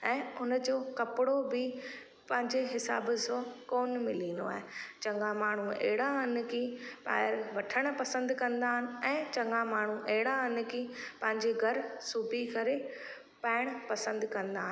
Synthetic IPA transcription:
ɛ̃ːʊnə̆d͡ʑoːkɐpɪɽobɪ | pɐ̃ɦɪ̃ɲd͡ʑeɦɪsa̰ːbsokoːnmɪlĩːnd̪o̰a̰ːɦet͡ɕɐ̃ŋɡãmaːɳ̤uḛɦɪɽaɐn̆kʰĩːpa̰ːɪɾʋɐʈʰəɽ̃̆pɐsə̃nd̪kɐ̃nd̪aːɦnɪ̆ɛ̃ːt͡ɕɐ̃ŋɡãmaːɳ̤uʔeɦɪɽaən̆kiːpɐ̃ɦɪ̃ɲd͡ʑeɡʱɐɾsuːbikɐɾe | paːɪɽ̃pɐsə̃nd̪kɐ̃nd̪aːɦənɪ̆

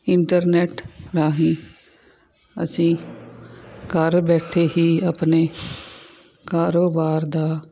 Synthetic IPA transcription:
ɪɳʈəɾnɛːʈɾaːɦĩː | ə̰sĩː | kəɾbɛːʈʰeːɦiːapneː | kaːɾoːbaːɾd̪aː

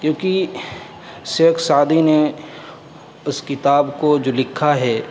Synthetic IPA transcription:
kjõːki | seːksaːd̪ine | ʊskɪt̪aːbkod͡ʒoːlɪkʰːaɦɛː

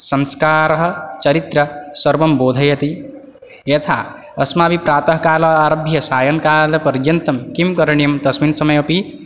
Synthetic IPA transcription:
sɐnskaːɾɐɦ̆t͡ʃɐɾit̪ɾɐsɐɾbɐmboːd̪ʱɐjɐt̪i | jet̪ʰa̰ | ɐsmaːbipɾaːt̪ɐɦkaːlɐaːɾobʱjɐsaːjɐnkalɐpɐɾd͡ʒjɐnt̪ɐmkimkɐɾɐɳijɐmd̪ɐsminsɐmʌjɐpi

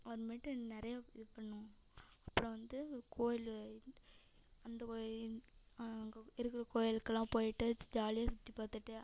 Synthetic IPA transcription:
ɐʋɐɾmeːʈːɯnɪɾɐjaɪðɯpɐɳːʊ̃ | ɐpːɯɽɔ̃ʋɐnd̪ɯkʰoːjɪl | ɐnd̪ɐkoːj | ŋɐɪɾɯkːɪɾɐkoːjɪlkːɐlːãːpoːjɪʈːɯd͡ʒaːlɪjaːsʊt̪ːipaːt̪ːɯʈːɯ

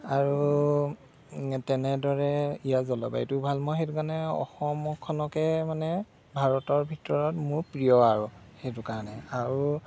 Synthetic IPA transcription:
aɹu | tɛnɛdɔɹɛijazɔlɔ̰ba̰jtʊbʱalmɔxetukanɛɔ̰xɔmɔkʰɔnɔkɛmanɛ | bʱaɹɔtɔɹbʱitɔɹɔtmʊɹpɹijɔaɹuxejtukaɹɔnɛaɹu

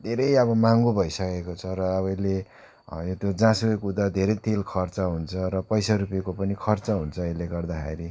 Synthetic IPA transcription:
d̪ʱeɾʌjʌbʌmaŋɡobʱʌjsʌkekot͡sʰʌɾʌːβʌjle | jot̪jod͡zãsekud̪ad̪ʱeɾʌjt̪elkʰʌrt͡sʌɦunt͡sʰʌɾʌpʌjsaɾupjekopʌnikʰʌrt͡sʌɦunt͡sʰʌileɡʌrd̪akʰḛɾi

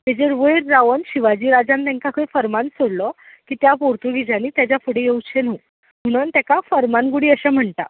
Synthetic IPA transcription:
t̪ed͡ʑeɾʋəjɾːaʋənɕiʋad͡ʑiːɾad͡zãnt̪ɛ̃ŋkakʰəjfəɾmãnsoɽlɔ | kiːt̪japoɾt̪uɡʱid͡ʑaniːt̪jat͡ɕjapuɽejewt͡ɕʰenu | m̤uɽ̃ənt̪jakafəɾmanɡuɽiːəɕam̤əɳt̪a̰

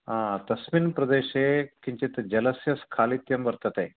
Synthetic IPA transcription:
ɦãt̪ɐsminpɾɐd̪eɕekiɲt͡ɕet̪d͡ʑɐlɐsjɐskʰaːlit̪jɐmʋɐɾt̪at̪e

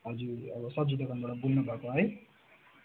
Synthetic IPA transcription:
ɦʌd͡zuʌbʌsʌp̚d͡zud̪ʌkʌnbʌɽ̃ʌbulnʌbʱakõɦʌj

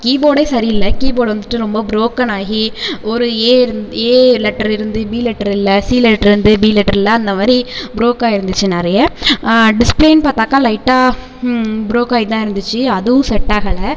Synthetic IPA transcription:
kiːboːɽeːsɐɾiɪlːɐkiːboːɽʋɐnd̪ɯʈːɯɾɔmbɐbɪɾoːkːɐnaːɣiɔɾɯeːɾɯneːlɛʈːɐɾɪɾɯnd̪ɯbiːlɛʈːɐɾɪlːɐsiːlɛʈːɐɾɪɾɯnd̪ɯbiːlɛʈːɐɾɪlːɐɐnd̪ɐmaːd̪ɾibɪɾoːkaːɪɾɯnd̪ɯt͡ʃːɯnɐɾɐjɐ | ɖɪspleɪnpaːɾt̪aːkaːlɐɪʈːaː | bɪɾoːkaːɣit̪ãːɪɾɯnd̪ɯt͡ʃːɯɐðɯʋʊ̃sɛʈːaːɣɐɭɐ

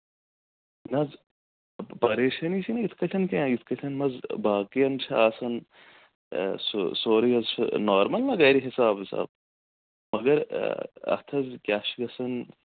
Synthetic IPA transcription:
nɐz | pɐɾeːʃɐnit͡ʃʰinɐit̪ʰkɐtʲʰɐnkeãit̪ʰkɐtʰɐnmɐzbaːqijɐnt͡ʃʰɐaːsɐn | ssoːɾijɐzt͡ʃʰɐ̰noːɾmɐlnɐɣɐːɾiɦisaːbɐsa̰ːb̚ | mɐɡɐɾɐ̰t̪ʰɐzkʲaːʃiɡɐsɐn

